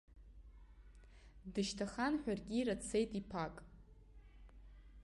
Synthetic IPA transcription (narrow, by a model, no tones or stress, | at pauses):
dɨʃtʰaχanħʷᶣarɡʲiːɾat͡sʰe̞jtʼipʰakʼ